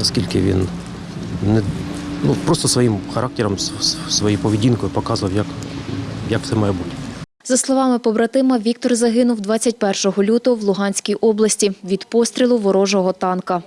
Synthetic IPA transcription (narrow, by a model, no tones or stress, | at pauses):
ɐskʲilʲkɪʋʲḭn | nɛ | nupɾɔst̪ɔsʋɔjimxɐɾʔɑk̚tʲɛɾɔmsʋɔjijpɔʋʲidʲinkɔjʊpɔkɑzʊʋɐwjɐk | jɐkft̪sɛmɑjɛbutʲ | zɐslˠɔʋɑmɪpɔbɾɐt̪ɪmɐʋʲik̚t̪ɔrzɐɦɪnʊwd̪ʋɑt͡sʲːɐt̚ʲpɛrʃɔɦɔlʲut̪ɔɔwlˠʊɦɑnʲsʲkʲijʔɔblˠɐsʲtʲiʋʲid̪pɔst̪ʲɾʲilˠʊʋɔɾɔʒɔɦɔt̪ɑnkɐ